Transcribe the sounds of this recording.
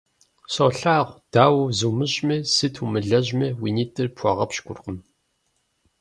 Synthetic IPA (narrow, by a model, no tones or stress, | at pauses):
soːɬaːʁʷd̥aːwzumɨɕʼmesɨtʰumɨɮɐʑmewiniːtʼɨrpʰʷɔʁɐpʃɡʷʊrqəm